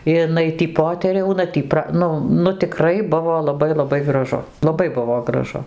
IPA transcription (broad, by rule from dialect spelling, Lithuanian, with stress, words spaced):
ɪˈnɐɪ ˈtʲiː ˈpoːtʲɛrʲɛʊnɐ ˈtʲiː ˈprɐ ˈnʊ nʊ tʲɪˈkrɐɪ ˈbʊʋoː lˠɐˈbɐɪ lˠɐˈbɐɪ ɡrɐˈʒʊ lˠɐˈbɐɪ ˈbʊʋoː ɡrɐˈʒʊ